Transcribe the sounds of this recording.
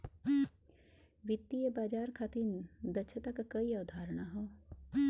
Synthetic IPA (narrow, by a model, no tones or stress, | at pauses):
ʋɪt̪ːijəbaːd͡ʒaːɾkʰaːt̪ind̪ɐʃʰət̪ɐkkɐiaːwd̪ʱaːɾəɳaɦoː